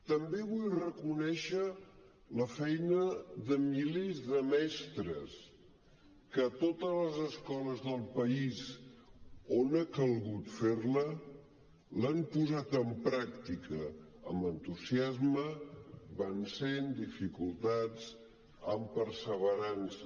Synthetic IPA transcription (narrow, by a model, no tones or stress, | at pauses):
t̪əmbeβujrəkunɛʃə | ləfɛjnəðəmilezðəmɛst̪ɾəs | kət̪ot̪ələzəskɔləzðəlˠpəis | onəkəlˠɣut̪feɾlə | lampuzat̪əmpɾakt̪ikə | əmbənt̪uziazməbənsend̪ifikulˠt̪ad͡z | əmpəɾsəβəɾansə